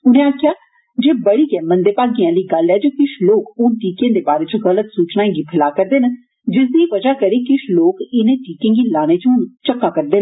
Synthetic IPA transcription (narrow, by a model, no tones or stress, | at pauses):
ʊnẽːaːkʰjaː | d͡ʒeːbəɽiːɡɛːmənd̪eːpaːɡiãːləiːɡəlɛːd͡ʒoːkɪʃloːkʊːʈiːkẽːd̪eːbaːɾeːt͡ʃõɣələt̪suːt͡ʃnaːĩːɡiːpʰɪlaːkəɾd̪eːnə | d͡ʒɪsd̪iːʋəd͡ʒaːkəɾeːkɪʃloːkɪnẽːʈiːkẽːɡiːlaːñeːt͡ʃont͡ʃəkːaːkəɾd̪eːn